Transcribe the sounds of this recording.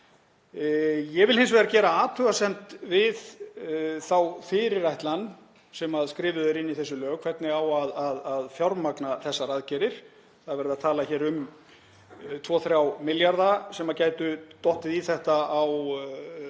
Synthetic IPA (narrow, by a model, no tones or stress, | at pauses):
jɛvɪlhɪns̬vɛːɾacɛːɾaaːt̪ʰʏɣasɛm̥t̪vɪð | θawfɪɾɪɾajht̪lan | sɛmaðskɾɪːvʏðɛɾɪnːiθɛsːʏlœːɣkʰvɛt̪nɪawaðaðaðfjawɾmaknaθɛsːaɾaðcɛːɾɪɾ̥ | θaðvɛɾɪðaðt̪ʰaːlaçɛːɾʏm | t̪ʰvɔːθɾjawmɪljaɾðasɛmaðcaːjt̪ʏt̪ɔht̪ɪðiθɛht̪aaw